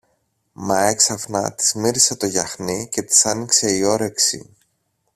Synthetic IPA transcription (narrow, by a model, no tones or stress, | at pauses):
mɐe̞ksɐfnɐ̰t̪i̥zmiɾise̞t̪o̞ʝɐxnice̞t̪i̥sɐnikse̞io̞ɾe̞ksḭ